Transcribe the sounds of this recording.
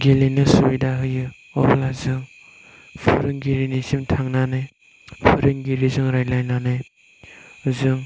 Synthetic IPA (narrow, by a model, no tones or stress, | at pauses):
ɡelinɯsubidaɦɯjɯ | ɔɾlazɯŋ | pʰɯɾɯŋɡiɾinisimtʰaŋnanɯj | pʰɯɾɯŋɡiɾizɯŋɾajlajnanɯj | ɯzɯŋ